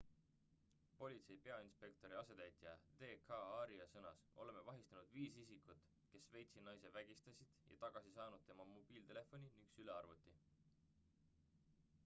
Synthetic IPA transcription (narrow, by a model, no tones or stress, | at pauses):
po̞lʲit̪se̞jpe̞ɑinspe̞kt̪o̞ɾiɑse̞t̪æjt̪ˑjɑd̪̥e̞ːkʰɑɑɾiɑsɤnɑsʔo̞̰le̞me̞vɑɦist̪ɑnud̪̥viːsisikˑut̪ˑ | ke̞sve̞jt̪sid̪nɑjse̞væɡ̥ist̪ɑsid̪̥jɑ̰t̪ɑɡ̥ɑsisɑːnud̪̥̚t̪e̞mɑmo̞b̥iːlt̪e̞le̞fo̞nʲiniŋksyle̞ɑrvut̪ːˑi